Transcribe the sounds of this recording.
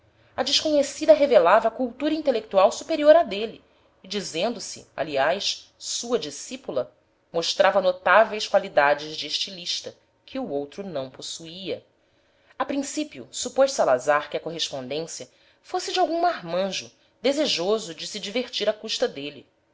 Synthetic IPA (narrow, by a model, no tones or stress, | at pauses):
ɐd͡ʒɪʃkoɲesid̪ɐɦevelavɐːkuwt̪uɾɐĩnt̪elek̚t̪uawsupeɾioɾɐd̪eliː | d͡ʒizẽnd̪ʊsɪ̰a̰liajʃsuɐd͡ʒisipulɐ | moʃt̪ɾʔavɐnot̪avejskwalid̪ad͡ʒɪzd͡ʒɪeʃt͡ʃiliʃt̪ɐ | kʰɪuowt̪ɾʊnɐ̃w̃posuiɐ | apɾĩsipiʊ̰supojʃsalazaɾkɪɐkoɦeʃpõnd̪ẽsjɐ | fosɪd͡ʒɪawɡũmaɦmɐ̃ʒʊ | d̪ezeʒozʊd͡ʒɪsɪd͡ʒiveɾt͡ʃiɾɐkuʃt̪ɐd̪eli